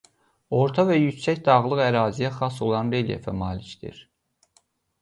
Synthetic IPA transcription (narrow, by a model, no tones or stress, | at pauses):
o̞ɾt̪ʰɑvæjycsæcd̪ɑʁlˠɯɣæɾɑːzijæχɑso̞lˠɑnɾeljḛfæmɑːlicd̪ḭɾ